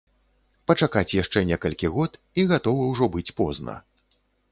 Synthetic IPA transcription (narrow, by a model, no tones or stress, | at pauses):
pɐt͡ʂakat͡sʲjaʂt͡ʂɛnʲɛkɐlʲkʲiɣɔt̪iɣat̪ɔvɐwʐɔbɨt͡sʲpɔznɐ̰